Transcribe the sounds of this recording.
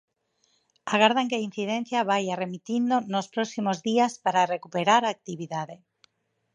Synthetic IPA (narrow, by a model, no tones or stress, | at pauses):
aɣaɾð̞aŋkeain̟θiðen̟θjaβajaremit̪ind̪onospɾosimozðiaspaɾarekupeɾaɾaːk̚t̪iβ̞iðaðe